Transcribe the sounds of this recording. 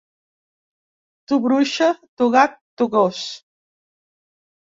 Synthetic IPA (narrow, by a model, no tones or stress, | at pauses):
t̪uβɾuʃət̪uɣak̚t̪uɣos